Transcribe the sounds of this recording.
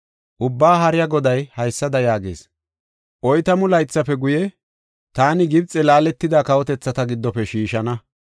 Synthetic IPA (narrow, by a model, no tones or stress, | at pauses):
ʔʊbːaːɦɐɾɪjɐɡɔd̪ɐjhɐjsːɐd̪ɐjaːɡḛːs | ʔɔjt̪ɐmʊlɐjt͡sːɐpɛɡʊjɛ | t̪aːnɪɡɪb̚t͡sʼːɛlaːlɛt̪ːɪd̪aːkɐwɔt̪ɛt͡sːɐt̪ɐɡɪd̪ːɔpɛʃiːʃɐnɐ